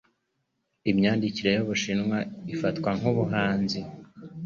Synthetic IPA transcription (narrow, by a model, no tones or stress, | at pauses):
imɲaːndiciɾe̞joβuʃinŋwaifatkwaŋ̥uβuɦaːnzi